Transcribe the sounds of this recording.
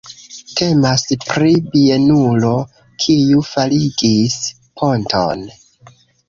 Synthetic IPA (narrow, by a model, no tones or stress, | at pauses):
te̞maspɾibienulo̞ | kʰijufaliɡis | pʰo̞ntʰo̞̰n